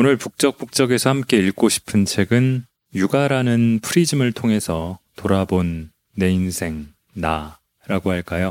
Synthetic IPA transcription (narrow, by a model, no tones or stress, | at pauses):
onɯɭpuk̚t͡ɕ͈ʌk̚p͈uk̚t͡ɕ͈ʌɡe̞sʰʌhamk͈e̞iɭk͈oɕʰi̥pʰɯnt͡ɕʰe̞ɡɯn | juɡaɾanɯnpʰuɾid͡ʑimɯɭtʰoŋɦe̞sʰʌtoɾabonː | e̞insʰe̞ŋ | na | ɾaɡohaɭk͈ajo